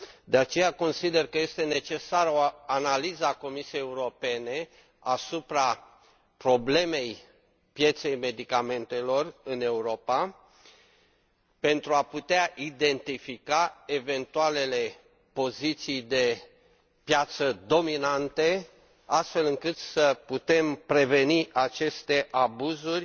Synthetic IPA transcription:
d̪eat͡ʃe̞jako̞nsid̪e̞rkəje̞st̪e̞ne̞t͡ʃe̞saɾo̞analizəako̞misijejeuɾo̞pe̞ne̞ | asupɾa | pɾo̞ble̞me̞j | pje̞t̪se̞jme̞d̪ikame̞nt̪e̞lo̞rɨne̞uɾo̞pa | pe̞nt̪ɾuaput̪eaʔid̪e̞nt̪ifikae̞ve̞nt̪uale̞le̞ | po̞zit̪sijd̪e̞ | pjat̪səd̪o̞minant̪e̞ | ast̪fe̞lɨŋkɨt̪səput̪e̞mpɾe̞ve̞niʔat͡ʃe̞st̪e̞ʔabuzurʲ

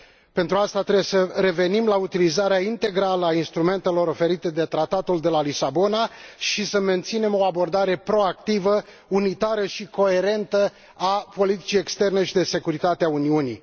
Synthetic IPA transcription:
pe̞nt̪ɾuast̪at̪ɾebjesəɾe̞ve̞nimlaut̪ilizaɾeaint̪e̞ɡɾaləainst̪ɾume̞nt̪e̞lo̞ɾo̞fe̞ɾit̪e̞d̪e̞t̪ɾat̪at̪uld̪e̞lalisabo̞naʃisəme̞nt̪sine̞mo̞abo̞rd̪aɾe̞pɾo̞akt̪ivə | unit̪aɾəʃiko̞e̞ɾe̞nt̪ə | apo̞lit̪i̥t͡ʃije̞kst̪e̞rne̞ʃid̪e̞se̞kuɾit̪at̪eauniunḭ

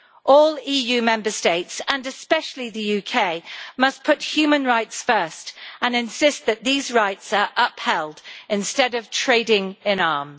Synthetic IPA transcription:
ʔɔːliːjʉːmɛ̃mbəsteɪtsə̃nɨspɛʃəl̩iðəjʉkʰeɪmʌspʰʊt̚hjʉːmə̃nɹaɪtsfɜˑ˞stʔə̃nɪ̃nsɪst̪̚ðɨʔ̪̚ðiːzɹaɪtsə˞ʔʌphɛlˠdɪ̃nstɛdʌv̥tʰɹ̥eɪdɪ̃ŋɪ̃nɑːm

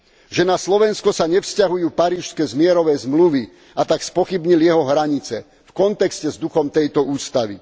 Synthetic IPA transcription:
ʒɛnaslɔʋɛnskɔsaɲɛfscaɦujuːpaɾiːʃskɛːzmɪɛɾɔʋɛːzmluʋi | at̪akspɔxibɲiljɛɦɔɦɾaɲit͡sɛ | fkɔnt̪ɛkscɛzd̪uxɔmt̪ɛjt̪ɔuːst̪aʋḭ

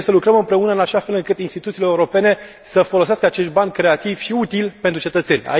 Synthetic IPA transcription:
səlukɾəmɨmpɾe̞unəɨnaʃafe̞lɨŋkɨt̪inst̪it̪ut̪sileeuɾo̞pe̞ne̞ | səfo̞lo̞seaskəat͡ʃe̞ʃt̪̚banʲkɾe̞at̪iv̥ʃiut̪ilpent̪ɾut͡ʃe̞t̪ət̪se̞nʲa̰

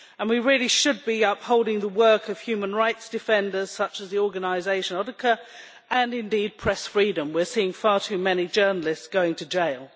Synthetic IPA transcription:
ə̃nwiɹɪlˠiʃɨd̚biʌphoʊlˠdɪ̃ŋðəwɜˑ˞kʰʌv̥hjʉmə̃nɹaɪtsd̥ɨfɛ̃ndəz̥sʌt͡ʃəzðiɔɹɡənaɪzeɪʃə̃nɔɾɨkʰə˞ | ʔə̃nɪ̃ndid̚pʰɹ̥ɛsfɹiɾə̃mwɪɹsiɪ̃ŋfɑɹtʰʉmɛnid͡ʒɜ˞nl̩ˠɪstsɡ̥oʊɪ̃ŋtʰɨd͡ʒeɪlˠ

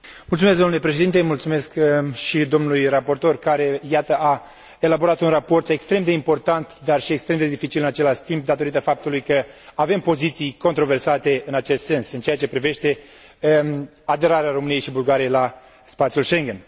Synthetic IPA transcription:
mult̪sumesɡd̪onulepɾe̞ʃed̪int̪emult̪sume̞skʃid̪o̞mnujrapo̞rt̪o̞rkaɾe̞jat̪əa | e̞labo̞ɾat̪unrapo̞rt̪e̞kst̪ɾe̞md̪e̞impo̞rt̪ant̪d̪arʃie̞kst̪ɾe̞md̪ed̪ifit͡ʃilɨnat͡ʃe̞laʃt̪imp̚d̪at̪o̞ɾit̪əfap̚t̪ulujkəave̞mpo̞zit̪sijko̞nt̪ɾo̞ve̞rsat̪e̞ɨnat͡ʃe̞st̪se̞nsɨnt͡ʃejat͡ʃe̞pɾive̞ʃt̪e̞ | ad̪e̞ɾaɾeaɾo̞mɨnije̞jʃibulɡaɾijela | spat̪sijulʃe̞ŋɡʲe̞n

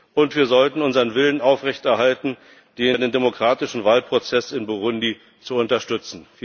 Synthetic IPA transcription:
ʔʊntv̥iːɐzɔltn̩ʊnzɐʁənvɪlənʔaʊfʁɛçtɛɐhaltn̩ | d̥eːdeːndemokʁ̥aːtɪʃn̩vaːlpʁ̥ot͡sɛsɪnboʁʊndi | t͡suʊntɐʃtʏt͡sn̩

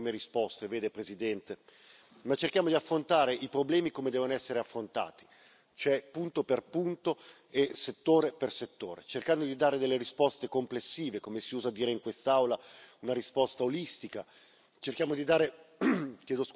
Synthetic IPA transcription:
imeɾispɔst̪eveːd̪epɾezid̪ɛnt̪e | mat͡ʃːerkjaːmod̪iafːɾont̪aːɾeʔipɾoblɛːmikomed̪ɛːvonoɛsːeɾeafːɾont̪a̰ːt̪i̥ | t͡ʃoɛpːunt̪operpunt̪o | eset̪ːoːɾeperset̪ːoːɾet͡ʃerkand̪od̪id̪aːɾed̪elːeɾispɔst̪ekomplesːiːvekomesiuːzad̪iːɾeiŋkwest̪awlaunaɾispɔst̪aolist̪ika | t͡ʃerk̟jaːmod̪id̪aːɾe | kjɛːd̪os

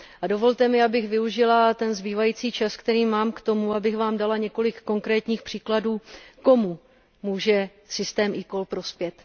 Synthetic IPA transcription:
ʔado̞vo̞lt̪ɛmɪabɪɣvɪuʒɪlat̪ɛnzbiːvajiːt͡siːt͡ʃaskt̪ɛɾiːmaːmkt̪o̞muabɪxvaːmdalaɲɛko̞lɪkːo̞ŋkɾɛːt̪ɲiːxpr̥iːkladuːko̞mu | muːʒɛ | sɪst̪ɛːmʔɪko̞lpɾo̞spjɛt̪

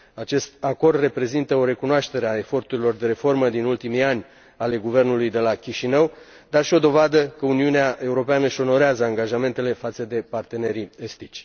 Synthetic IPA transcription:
at͡ʃe̞st̪̚ako̞rd̪re̞pɾe̞zint̪əo̞ɾe̞kunoaʃt̪e̞ɾeae̞fo̞rt̪uɾilo̞rd̪e̞ɾe̞fo̞rməd̪inult̪imianʲ | ale̞ɡuve̞rnulujd̪e̞lakʲiʃinəw | d̪arʃio̞d̪o̞vad̪əkəuniuneaʔe̞uɾo̞peanəʃo̞no̞ɾeazəaŋɡaʒame̞nt̪e̞le̞fat̪səd̪e̞part̪e̞ne̞ɾiest̪it͡ʃʲ

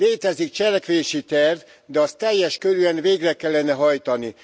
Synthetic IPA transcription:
eːt̪ɛzik̚t͡ʃɛlɛkʋeːʃit̪ɛrv | d̪ɛɒst̪ɛjːɛʃkøɾyɛnveːɡrɛkɛlːɛnɛɦɒjt̪ɒni

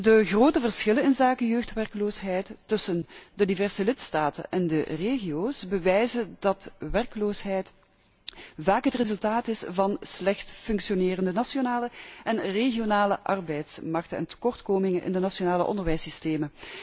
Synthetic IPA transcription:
dəɣroːtəvərsxɪlənɪnzaːkəjøːxtʋɛrkloːsɦɛjtːɵsəndədivɛrsəlɪtstaːtə̰nʔɛndəreːɣioːsbəʋɛjzədɑtʋɛrkəloːsɦɛjt | vaːkɦətrezɵlˠtaːtɪsvɑnslɛxtfɵŋksionɪːrəndənasjonaːləɛnreɣionaːləʔɑrbɛjtsmɑrk̚tənɛ̰ntə̥kɔrtkoːmɪŋənʔɪ̰ndənasionaːləʔɔ̰ndərʋɛjsisteːmə

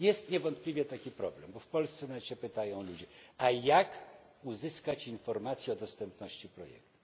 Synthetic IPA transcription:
jɛst̪ɲɛvɔnt̪̚plʲivʲjɛt̪akʲipɾɔblɛmbɔfpɔlst̪sɛnaɕɛpɘt̪ajɔ̃w̃lud͡ʑɛajak | uzɘskat͡ɕinfɔɾmat̪sʲjɛɔd̪ɔst̪ɛmpnɔɕt͡ɕipɾɔjɛ̰k̚t̪u̥

